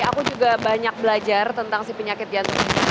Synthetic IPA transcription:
akud͡ʒuɡabaɲak̚bəlad͡ʒart̪ənt̪aŋsipəɲakɪt̪̚diant̪uŋin

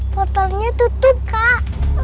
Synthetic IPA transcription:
pɔt̪ɔrɲat̪ut̪ʊp̚kaʔ

